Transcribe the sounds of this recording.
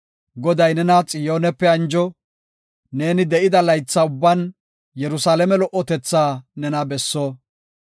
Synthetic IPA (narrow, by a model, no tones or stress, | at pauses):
ɡɔd̪ɐjnɛnɐt͡sʼɪjoːnɛpːɛɐnd͡ʒɔ | ne̞ːnɪd̪ɛʔɪd̪ɐlɐjt͡sːɐʊbːɐn | jɛɾʊsaːlɛmɛlɔʔːɔt̪ɛt͡sːaːnɛnɐbɛsːɔ